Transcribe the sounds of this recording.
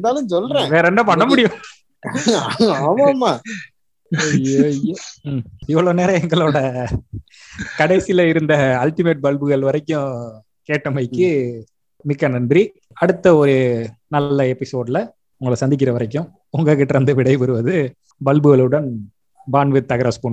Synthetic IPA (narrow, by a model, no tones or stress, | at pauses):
ɛnd̪aːlɯ̃sɔlɾẽːʋeːɾɛnːɐpɐɳːɐmʊɽɪjʊ̃ | aːmaːmaː | ɐjojo | ɪʋːɐɭoːneːɾɐ̃ɛŋɡɐɭoːɽɐ | kɐɽɐɪsɪjlɐɪɾɯnd̪ɐːlʈːɪmeːʈ̚bɐlbɯɣɐɭʋɐɾɐɪkːʊ̃ | keːʈːɐmɐɪkːɯ | mɪkːɐnɐnɖri | ɐɽɯt̪ːɐɔɾɯnɐlːɐɛpːɪsoːɖlɐ | ʊŋɡɐɭɐsɐnd̪ɪk̬ːɪɾɐʋɐɾɐk̬ːʊ̃ | ʊŋɡɐkːɪʈːɾɐnd̪ɐʋɪɽɐɪʋɪɾɯʋɐðɯ | bɐlbɯɣɐɭɯɽɐn | baːnʋɪt̪ːɐɣɐɾaːspoːɳ